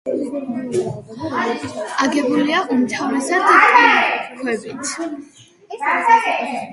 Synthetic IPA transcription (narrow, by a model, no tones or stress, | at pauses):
aɡɛbuliaʔumt̪ʰavɾɛsad̪kikʰwɛbit̪ʰ